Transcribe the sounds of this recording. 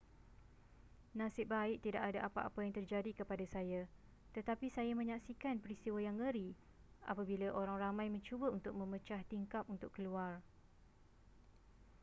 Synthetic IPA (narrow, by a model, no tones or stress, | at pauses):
nãsɪp̚baɪʔ̚t̪idaʔadaʔapaʔa̰pajaŋt̪ərd͡ʒadikəpadasaja | t̪ət̪apisajamə̃ɲaksikanpəɾist̪iwəjaŋəɾi | ʔa̰pabilaʔoɾaŋramãjmə̃ɲt͡ʃubəunt̪ʊk̚mə̃mət͡ʃaht̪iŋkap̚unt̪ʊkːəluar